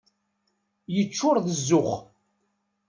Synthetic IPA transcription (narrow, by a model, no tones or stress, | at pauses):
jət͡ʃːʊɾðəzːʊχ